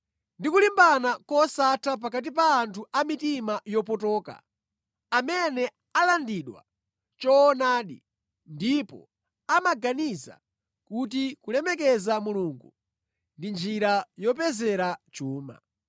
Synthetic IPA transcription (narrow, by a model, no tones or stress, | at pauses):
ndikulimbanakɔsatʰap̬akat̬ipaːntʰuamitimajɔpɔtɔːka̰ | amɛnɛ | alandiɗwa̰ | t͡ʃɔːnaːɗi | ndipɔ̰ | amaɡaniza̰ | kut̬ikulɛmɛkɛzamuluŋɡu | ndind͡ʒiɾajɔpɛzɛɾat͡ʃuːma̰